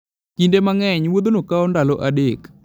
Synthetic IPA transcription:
kindemaŋɛɲwod̪onokaondaloʔadek

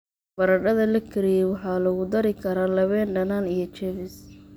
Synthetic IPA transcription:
b̥ɐɾɐɖɐðɐlɐkʰɐɾɪjɛwɑħɑːlɐɣʊd̪ɐɾɪkʰɐɾaːlɐβɛːnɖɐnaːnijɞt͡ʃɛβɪs

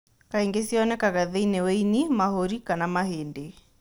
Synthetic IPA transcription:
kaeŋɡesiɔnɛkaɣɛðɛineweinimahoɾikanamaheːnde

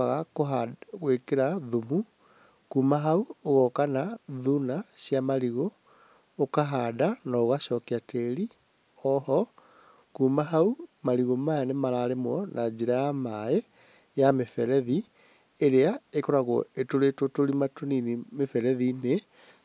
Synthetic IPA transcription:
aɣakoaɣwekeɾaðumu | kuːmaɦauoɣɔkanaðunaɕjamaɾiɣo | okaɦadanaoɣaʃɔkɛateɾi | ɔɦɔ | kuːmaɦaumaɾiɣomaanemaɾaɾemwɔnʔad͡ʑeɾajamae | jamefɛɾɛði | eɾeaekɔɾaɣɔ̰etoɾetotoɾimatoninimefɛɾɛðine

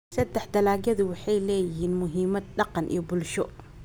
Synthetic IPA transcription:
sɛd̪ɛħd̪ɐlaːɡɐðʊwɑħɑjlɛːjɪɦiːnmʊɦiːmɐd̪̚ɖɑqɑnʔḭːbʊlʃɔ

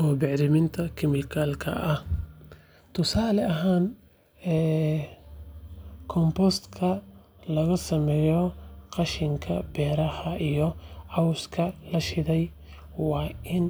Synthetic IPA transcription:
ʔɔːbɛʕd̪ɪmɪnt̪ʰɐkʰɪmɪlkʰaːlkʰɐ̰ʔɐh | t̪ʰʊsaːlɛɐɦaːn | ɛː | kʰɔmpɔst̪kʰɐ | lɐɣɐsɐmɛːjɔqɑʃɪŋkʰɐbɛːɾɐhɐʔijɔʕɑwskʰɐlɐʃɪðɛj | wɑːʔɪn

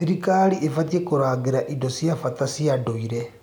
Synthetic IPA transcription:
siɾikaliʔefat̬iekoɾaːɡeɾaʔidosjafatasiadoiɾe

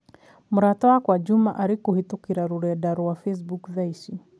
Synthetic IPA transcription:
m̩ɾatɔakwad͡ʒumaʔaɾikuhitukiɾaɾuɾɛaɗaɾuwafɛs̬bukðaiʃi

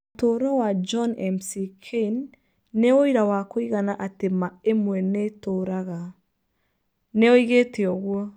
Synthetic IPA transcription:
toɾɔwad͡ʒɔnɛmsikʰeinː | eoiɾawakoiɣanaʔatemaemwɛnetoɾaɣa | neoiɣeteɔɣwɔ

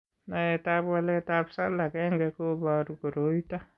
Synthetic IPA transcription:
naɛtabwalɛtabsalakɛŋɡɛkobaɾuɡoɾoita

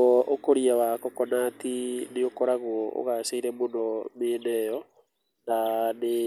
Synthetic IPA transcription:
ɔʔokoɾiawakɔkɔnatineokɔɾaɣwɔʔo̰ɣasaiɾɛmonɔmenɛjɔ | nane

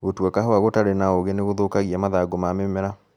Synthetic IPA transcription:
ɣotwɛkaɦoaɣotaɾenaoɣeneɣoðokaɣiamaðaɡomamemɛɾa

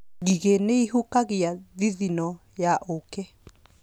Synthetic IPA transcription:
ɣiɣeneiɦukaɣiaðiðinɔ | jaʔoke

